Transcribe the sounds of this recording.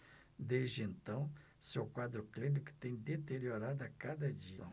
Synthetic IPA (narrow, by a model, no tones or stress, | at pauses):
d̪ezd͡ʒɪẽnt̪ɐ̃w̃ | sewkwad̪ɾʊklenɪkɪ̥t̪ẽj̃d̪et̪eɾioɾad̪ʊakad̪ɐd͡ʒi